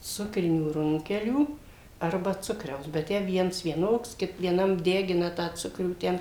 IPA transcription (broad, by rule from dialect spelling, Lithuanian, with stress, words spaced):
ˈsʊkrʲɪnʲuː ˈrʊŋʲkʲɛlʲuː ˈɐrbɐ ˈt͡sʊkrʲɛʊs bʲɛt ˈtʲæː ˈʋʲiɛns ʋʲiɛˈnoːks ʋʲiɛˈnɐm ˈdʲæːɡʲɪnɐ tɑː ˈt͡sʊkrʲuː ˈtʲɛn